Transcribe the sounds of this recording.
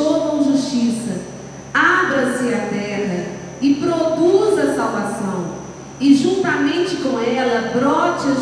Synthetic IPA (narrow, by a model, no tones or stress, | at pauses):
okõʒuʃt͡ʃisɐ | abɾɐsɪat̪ɛɦɐ | ɪpɾokuzɐsawvasɐ̃w̃ | ɪʒũnt̪ɐmẽt͡ʃɪkõw̃ɛlɐbɾɔt͡ʃɐ